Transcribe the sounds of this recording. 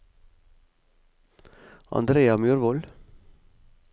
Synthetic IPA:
ɑ̰nd̪ɾeːɑmjʉːɾʋɔl

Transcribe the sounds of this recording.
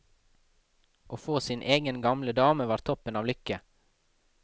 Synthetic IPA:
ʔoːfoːsɪnʔeːɡənɡɑmləd̪ɑːməʋɑːɾt̪ʰɔpənɑːʋlʏkə

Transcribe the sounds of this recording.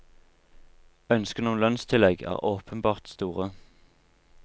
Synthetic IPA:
œnskəʁnuːnlœnst̪ʰɪlɛɡæ̰ːʁoːpʰənbɑːʁt̪st̪uːʁə

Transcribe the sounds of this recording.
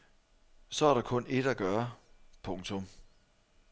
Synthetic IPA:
sɒ̽æɐɾɑ̈kʰɔ̽ne̝d̥æɡ̥ɶɐpʰɔ̽ŋt͡sʰɔ̽m

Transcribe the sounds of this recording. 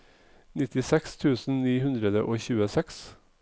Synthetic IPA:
nɪt̪ɪsɛkst̪ʰʉːsn̩niːhʉnd̪ɾəd̪əʔoːçʉːəsɛks

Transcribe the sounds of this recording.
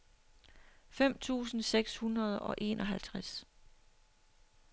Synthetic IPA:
fem̰t͡sʰṵːsn̩seɡ̥shunʁɐð̞ˠɒ̽ʔe̝̰ːnʔɒ̽ɦælt͡sʰʁas

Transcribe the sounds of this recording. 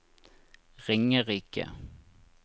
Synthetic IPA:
ʁɪŋəɾiːkə̰

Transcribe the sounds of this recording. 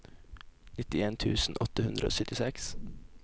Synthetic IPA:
nɪt̪ɪeːnt̪ʰʉːsn̩ʔɔt̪əhʉnd̪ɾəo̰ːsœt̪ɪsɛks

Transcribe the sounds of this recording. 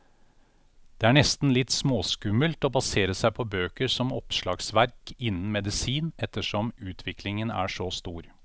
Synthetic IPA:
d̪̥eːæɳɛst̪n̩lɪt̪ːsmoːskʉməlt̪ɔbɑseːɾəsæɪpʰɔbøːkəɾsɔmɔpʂɭɑːɡsʋæɾkɪnːn̩mɛd̪ɪsiːnɛt̪ːəʂɔmʉːt̪ʰʋɪklɪŋənæ̰ʂɔst̪uːɾ

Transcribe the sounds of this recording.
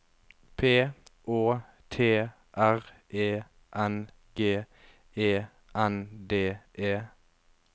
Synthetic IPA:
pʰeːʔoː | t̪ʰeː | ʔæʁʔeː | ʔɛn | ɡ̥eː | eː | ʔænd̪eːʔeː

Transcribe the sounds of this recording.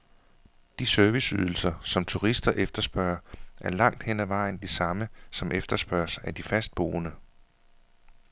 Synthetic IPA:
d̥isøɐʋisyð̞ˠl̩sɐsɒ̽mt͡sʰuʁisd̥ɐʔefd̥ɐsb̥ɶɐʔæɐlɑ̈ŋ̰d̥hen̰æʋɑ̈ɪ̰n̩d̥isɑ̈məsɒ̽mʔefd̥ɐsb̥ɶɐsæd̥ifæsd̥̚b̥o̝̰ːnə

